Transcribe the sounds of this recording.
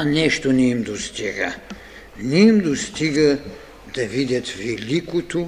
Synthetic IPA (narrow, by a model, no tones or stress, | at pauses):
ɐnɛʃt̪onɛimd̪ost̪iɡɐ | nɛimd̪ost̪iɡɐ | d̪̥ɐvid̪ʲɐt̪vɛlʲikot̪o